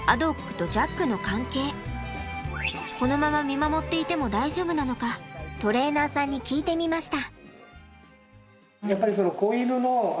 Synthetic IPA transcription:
a̰d̪o̞kːɯ̟̥t̪o̞d͡ʑakːɯ̟no̞kãŋke̞ː | ko̞no̞mamamʲimamo̞t̪ːe̞it̪e̞mo̞d̪aiʑo̞ːbɯ̟nano̞kat̪o̞ɾe̞ːnaːsãɲ̟ːikʲiːt̪e̞mʲimaɕi̥t̪a | japːaɾʲiso̞nokoːinɯno

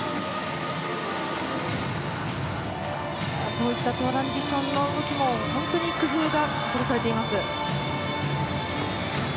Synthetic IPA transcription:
ak̪o̞ːit̪ːat̪o̞ːɾãɲd͡ʑiɕõ̞nːo̞ɯɡo̞kʲimo̞hõnt̪o̞ɲ̟ikɯ̟ɸɯːɡa | k̪oɾʲisaɾe̞t̪e̞imasɨ

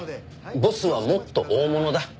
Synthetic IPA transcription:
bo̞sɨβamo̞t̪ːo̞̰ʔoːmo̞no̞d̪a

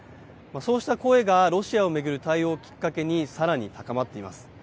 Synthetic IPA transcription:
maso̞ːɕi̥t̪ako̞ːe̞ɡaɾo̞ɕiao̞me̞ɡɯ̟ɾɯ̟t̪aio̞ːkʲi̥kːake̞ɲ̟isaɾaɲ̟it̪akamat̪ːe̞ima̰sɨ̥

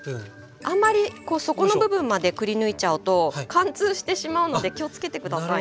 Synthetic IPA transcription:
ãmːaɾʲiko̞ːso̞ko̞no̞bɯ̟bɯ̟̃mːad̪e̞kɯ̟ɾʲinɯ̟it͡ɕaɯ̟t̪o̞kãnt͡sɨːɕi̥t̪e̞ɕimaɯ̟no̞d̪e̞kʲio̞t͡sɨ̥ke̞t̪e̞kɯ̟d̪asa

